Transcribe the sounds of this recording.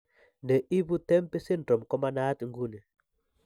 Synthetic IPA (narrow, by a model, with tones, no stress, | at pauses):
ndɛ˨ʔi˦bu˦t̪ɛ˦mpɛ˦sɪ˦ndɔ˨mkɔ˦ma˦na˦t̪ŋɡu˦nɛ˨